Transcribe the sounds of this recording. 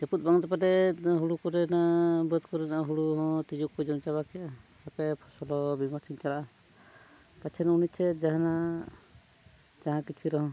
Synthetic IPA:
d͡ʒɛput̪̚ˀbaŋɔt̪ɛpadɛɦuɽukɔɾɛnabət̪kɔɾɛnaʔaɦuɽuɦɔ̃t̪id͡ʒukːɔjd͡ʒɔnt͡ʃaβakʰija | apɛpʰɔsɔlɔbimɔɾsint͡ʃalaʔa | pat͡ʃʰɛnunit͡ʃʰɛd͡ʒaɦãna | d͡ʒaɦãkit͡ʃʰiɾɔɦɔ̃

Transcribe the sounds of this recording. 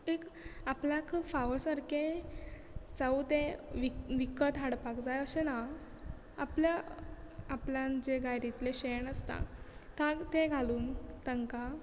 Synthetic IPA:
ekapljakʰfaʋəsəɾke | d͡zaut̪eʋiʋikət̪ɦaɽpakd͡zajəɕena | a̰plja | apljand͡ʑeɡajɾit̪leɕeɳəst̪ã̰t̪ãt̪eɡʱaluːnt̪əŋka

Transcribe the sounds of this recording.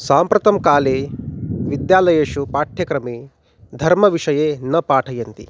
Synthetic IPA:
saːmpɾɐt̪ɐmkaːleːʋid̪jaːlɐjeːʂupaːʈʰjɐkɾɐmi | d̪ʱɐɾmɐʋiʂɐjeːnɐpaːʈʰɐjɐnt̪ḭ

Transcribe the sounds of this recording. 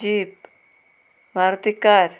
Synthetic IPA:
iːb | mʱaɾt̪ikaɾ

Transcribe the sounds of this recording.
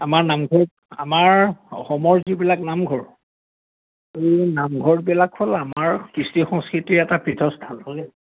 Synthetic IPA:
amaɹnamɡʱɔɹ | a̰maɹɔxɔmɔɹzibilaknamɡʱɔɹ | ejnamɡʱɔɹbilakʰːolamaɹkɹisixɔ̃ŋskɹitiɹɛtapʰɹitʰɔsdʱalhoɡɛl

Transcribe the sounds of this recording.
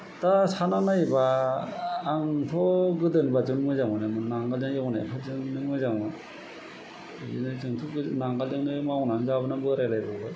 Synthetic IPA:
dasananajbaː | ŋtʰɔɡɯdɯnbad͡ʒɯŋmɯzaŋmɯnɯmɯnaŋɡald͡ʒɯŋjewna̰jpʰazɯŋnɯŋmɯzaŋma | ɯ̰nɯzɯŋtʰɔɡɯnaŋɡald͡ʒɯŋnɯmawnaŋzabɯnambɯɾajlajbɯbɯ

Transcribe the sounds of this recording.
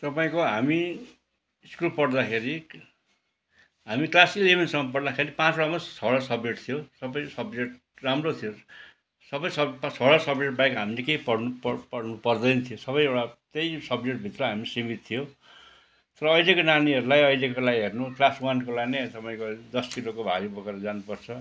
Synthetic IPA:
t̪ʌpaĩkoɦami | skupʌɽd̪akʰeɾi | ɦamiklasileminsʌŋːʌpʌɽd̪akʰeɾipãt͡soɽamasʰʌɽasʌbd͡zeʈt̪ʰijosʌbʌjsʌbd͡zeʈ | ramrot̪ʰijo | sʌbʌjsʌpsʰʌɽasʌbd͡zeʈ̚bajkɦamilekejpʌɽnuppʌrnupʌrd̪ʌjnʌt̪ʰijosʌβʌjewɽat̪ejsʌbd͡zeʈ̚bʱit̪rʌɦamisimit̪̚t̪ʰijo | t̪ʌɾʌʌjlekonaniʌɾulajʌjlekolaɡiɦernuklaswankolainet̪ʌpaĩj̃kod̪ʌskilokobʱaɡibʌkaɾʌd͡zanupʌrt͡sʰʌ

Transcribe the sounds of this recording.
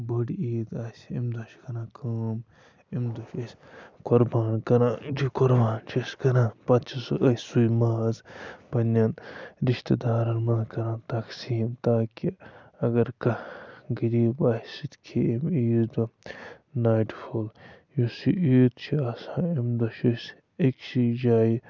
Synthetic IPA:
bɐɽiːd̪aːsimd̪ɐʃkɐnãːkʰɐːm | imd̪ɐʃɐsʲ | koɾbaːnkɐɾãːd͡ʒ̪ikoɾbaːnt͡ʃʰɐskɐnãːpɐt̪t͡ʃʰisʔɐsujmaːzpɐnanɾiʃt̪ɐd̪aːɾɐlmɐnkɐɾãːt̪ɐksiːmt̪aːkiɐɡɐɾkɐɡiɾiːbaːsit̪ʲkʰeimiːzd̪ɐ | naːʈfʰol | jusiʔiːd̪t͡ʃʰiaːsãːimd̪ɐʃɐs | eksid͡ʒaːji

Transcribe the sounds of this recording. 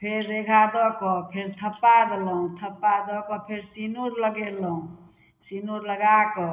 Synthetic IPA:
pʰeɾːeɡʱad̪ɔkɔpʰeɾt̪ʰəpːad̪eləɦũt̪ʰəpːad̪ɔkɔpʰeɾsinuɾləɡeləɦũ | sinuɾləɡakɔ

